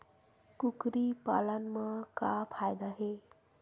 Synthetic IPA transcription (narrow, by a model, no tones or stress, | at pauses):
kukɾipa̰lənmakapʰajd̪aɦe